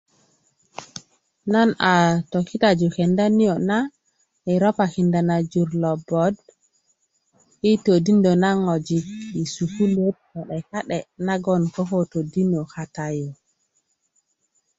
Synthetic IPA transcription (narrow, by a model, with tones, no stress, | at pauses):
na˦na˨to˨kːi˦ta˨d͡ʒu˨kɛ˨nda˦ni˦jo˨na˦ | ɛ˨ɾɔ˦pa˨ki˨nda˨na˨d͡ʒu˨ɾlɔ˨bɔ˨d | i˦to˨di˦ndo˨na˦ŋo˨d͡ʒi˨i˨su˨ku˦le˦t̚ka˨ɗɛ˨ka˦ɗɛ˨na˦ɡɔ˨nkɔ˦ko˦to˨di˦no˨ka˨ta˦jo˨